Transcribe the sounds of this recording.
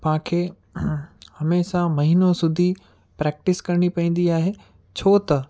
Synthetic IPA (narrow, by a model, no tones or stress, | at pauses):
pãkʰe | hɐmeːsamɐɦinosʊd̪ʱi | pɾɛːk̚ʈɪskɐɾɪɽ̃ipɐ̃ĩːn̆d̪iaːɦeː | t͡ɕʰoːt̪ɐ